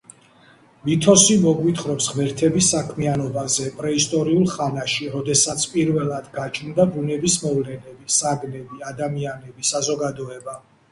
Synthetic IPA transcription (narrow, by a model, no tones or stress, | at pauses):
vit̪ʰɔsimɔɡwit̪ʰχɾɔpsʁmɛɾt̪ʰɛbisːakʰmianɔbazɛpʼɾɛist̪ʼɔɾiulˠχanaʃiɾɔd̪ɛsat̪sʰpʼiɾvɛlˠad̪ɡat͡ʃʰnd̪abunɛbismɔvlɛnɛbisaɡnɛbiad̪amianɛbisazɔɡad̪ɔɛba